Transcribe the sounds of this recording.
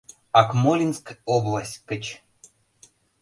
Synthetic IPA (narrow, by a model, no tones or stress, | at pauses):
ɑkmolʲinskoblˠasʲkə̆t͡ɕ